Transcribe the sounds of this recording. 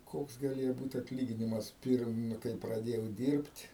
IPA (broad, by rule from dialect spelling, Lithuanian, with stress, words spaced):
ˈkoːks ɡɐˈlʲeːjoː ˈbuːt ɐtʲˈlʲiːɡʲɪnʲɪmɐs ˈpʲɪrm nʊ kɐɪ prɐˈdʲeːjɛʊ ˈdʲiːrʲpʲtʲ